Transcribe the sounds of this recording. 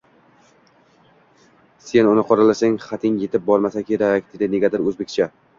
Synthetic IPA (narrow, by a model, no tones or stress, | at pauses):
se̞nʊnɪqʰɒɾalasaŋχat̪ʰɪŋjet̪ʰɪp̚bɒɾmasakʲʰe̞ɾakʲd̪ed̪ɪneɡʲat̪ɪɾɵzbekʲt͡ʃʰa